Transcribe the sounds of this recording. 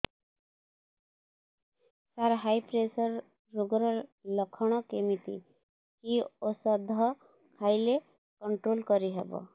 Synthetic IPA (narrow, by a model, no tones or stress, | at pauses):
saɾɦajpɾesʌɾː | uɡɾʌlɔkʰɔɽ̃ɔkemit̪ḭ | kiosʌd̪ʱɔ | kʰajle | kɔɳʈɾolkʌɾiɦebɔ̰